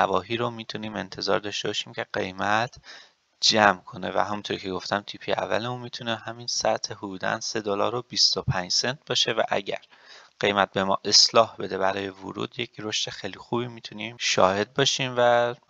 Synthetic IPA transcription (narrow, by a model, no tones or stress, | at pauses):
nævɒːɦiːɾomiːt̪ʰuniːme̞nt̪ʰe̞zɒ̰ːɾd̪ɒːʃt̪e̞bɒːʃiːmcʰe̞ɢe̞jmæt̪ʰ | d͡ʒæmkʰo̞ne̞̰væ̰ɦæmunt̪ʰoɾcʰe̞ɡo̞ft̪ʰæmt̪ʰiːpʰiæ̰vːæ̰leunmiːt̪ʰuneɦæminsæt̪ʰehud̪uːd̪æ̰nse̞d̪olɒ̰ːɾobist̪opʰænd͡ʒse̞nt̪̚ʰbɒːʃe̞væ̰ʔæ̰ɟæ̰ɾɢ̥e̞jmæt̪̚be̞mɒ̰ːʔe̞slɒːhbe̞d̪e̞bæɾɒːje̞vṵɾṵːd̪je̞cʰɾo̞ʃt̪e̞xejlixuːbiːmiːt̪ʰuniːmʃɒːhe̞d̪̚bɒːʃiːmvæ